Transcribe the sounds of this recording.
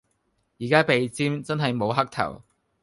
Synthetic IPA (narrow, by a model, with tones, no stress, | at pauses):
jiː˨˩kaː˥pe˨˧jt͡siː˥mt͡sɐ˥nɦɐ˨jmo˨˧wɦɐ˥k̚t̪ʰɐ̰˨˩w